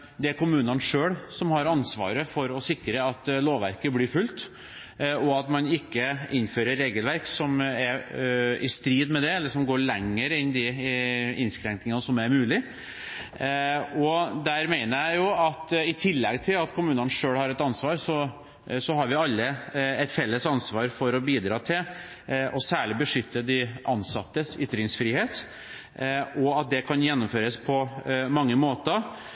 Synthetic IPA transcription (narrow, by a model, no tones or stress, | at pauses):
d̪ɛæɾkʊmʉːnənʂøːɽsɔmhɑɾɑnsʋɑ̰ːɾəfɔɾɔsɪkɾəɑt̪ːloːʋæ̰ɾkəblɪɾfʉlt̪ | ɔɑt̪mɑnɪkːəɪnːføːɾəɾːeːɡəlʋæɾksɔmæɾɪst̪ɾiːd̪mɛd̪ɛɛlːəʂɔmɡoːɾɭɛŋːəɾɪnd̪ɪ | ɪnskɾɛŋknɪŋɑnsɔmæɾmʉːlɪ | ɔd̪æɾmeɪnəɾjæɪjʊɑt̪ɪt̪ʰɪlːɛɡt̪ʰɪlɑt̪kʰʊmʉːnənʂøːɽhɑɾɛt̪ɑnsʋɑːɾsɔ | sɔɦɑɾʋɪɑlːəɛt̪fɛlːəsɑnsʋɑːɾfɔɾɔbiːd̪ɾɑːt̪ʰɪl | ʔɔsæːɭɪbəʂʏt̪ːəd̪ɪʔɑnsɑt̪ːəʏt̪ːɾɪŋsfɾiːheːt̪ | ɔɑt̪̚d̪ɛkʰɑnjɛnːʊmføːɾəspʰɔmɑŋːəmoːt̪ə